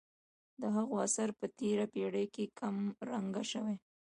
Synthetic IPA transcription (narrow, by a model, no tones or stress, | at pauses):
d̪əɦaɣoasaɾpət̪eɾapeɽəjkekʰamɾaŋɡaʃəwe